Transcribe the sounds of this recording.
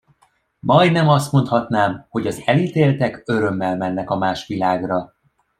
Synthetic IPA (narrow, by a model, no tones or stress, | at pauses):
mɒjd̪nɛmɒst̪mo̞nt̪hɒt̪naːmho̞ɟɒzɛliːt̪eːlt̪ɛkø̞ɾø̞mːɛlmɛnːɛkɒmaːʃʋilaːɡrɒ